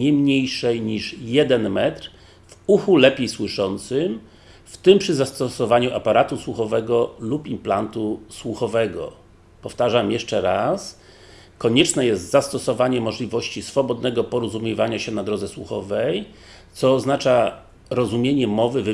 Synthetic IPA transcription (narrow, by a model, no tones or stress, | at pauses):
ɲɛmɲejʂɛjɲiʂjɛd̪ɛnmɛt̪ɾ | vuxulɛpʲjejswɘʂɔnt̪sɘm | ft̪ɘmpʂɘzast̪ɔsɔvaɲuʔapaɾat̪uswuxɔvɛɡɔlupimplant̪uswuxɔvɛɡɔ̰ | pɔft̪aʐamjɛʂt͡ʂɛɾas | kɔɲɛt͡ʂnɛjɛst̪zast̪ɔsɔvaɲɛmɔʐlʲivɔɕt͡ɕisfɔbɔd̪nɛɡɔpɔɾɔzumʲjivaɲaɕɛnad̪ɾɔd̪zɛswuxɔ̰vɛj | t̪sɔːznat͡ʂa | ɾɔzumʲjeɲɛmɔvɘv